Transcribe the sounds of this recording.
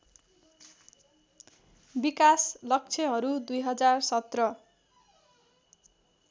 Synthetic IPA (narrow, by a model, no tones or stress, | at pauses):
bikaslʌk̚t͡sʰʌɦʌɾud̪ujɦʌd͡zarsʌt̪rʌ